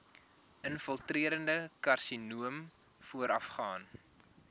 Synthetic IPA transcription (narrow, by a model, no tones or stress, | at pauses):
ʔənfəlˠtriəɾəndəkɐrsinuəm | fuəɾɐfχɑːn